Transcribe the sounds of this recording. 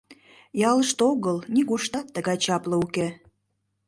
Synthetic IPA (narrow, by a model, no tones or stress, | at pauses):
jɑləʃt̪oɣəlnʲiɣuʃt̪ɑt̪ːəɣɑjt͡ɕɑpləuke